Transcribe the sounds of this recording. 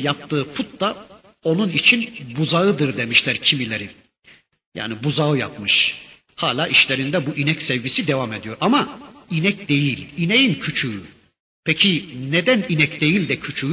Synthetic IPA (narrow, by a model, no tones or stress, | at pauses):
jap̚t̪ʰɯːpʰut̪̚d̪a | o̞nunit͡ʃʰinbuzaɯd̪ɯɾd̪e̞miʃlʲæɾcʰimilʲeɾi | ja̰ːnibuzaɯja̰pmɯʃ | haːlʲaːʔiʃlʲeɾind̪ɛbuʔinɛcsɛvɟisid̪evame̞d̪ijo̞ɾamainɛcd̪e̞jilʲinejincʰyt͡ʃʰyː | pʰɛcʰined̪æninɛcd̪e̞jilʲd̪ɛcʰyt͡ʃʰy